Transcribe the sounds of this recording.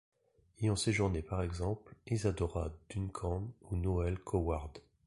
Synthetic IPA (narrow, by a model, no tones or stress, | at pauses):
ejɔ̃seʒuʁnepaʁɛɡzɑ̃plizad̪ɔʁa̰d̪̥ynkʰɑ̃nunɔɛlkʰɔwaʁd̪